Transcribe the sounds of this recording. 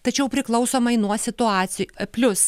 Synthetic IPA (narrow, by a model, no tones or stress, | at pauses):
t̪ɐt͡ʃʲɛʊpʲɾʲɪklˠɐʊsoːmɐɪnuɔsʲɪt̪ʊɑːt̪sʲɪpʲlʲʊs